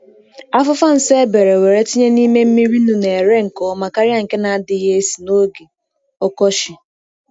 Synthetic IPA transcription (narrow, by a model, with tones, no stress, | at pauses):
a˦fʊ˦fa˦n̩˨se˦be˨ɾe˨we˨ɾe˦ti˦ɲe˦ni˦me˦m̩˦mi˦ɾi˦nu˨ne˨e˨ɾe˦ŋ̩˨kɔ˨˦ma˨ka˦ɾi˦a˦˨ŋ̩˨ke˦na˨a˦dɪ˦je˦e˦si̥˨no˦ɡe˨ | ɔ˦kɔ˦ʃɪ˨